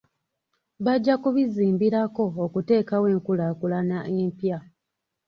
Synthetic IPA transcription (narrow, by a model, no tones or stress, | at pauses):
βaɟːakuβiziːmbiɾako̞ːkute̞ːkawe̞ːŋkulakulanaʔeːmpja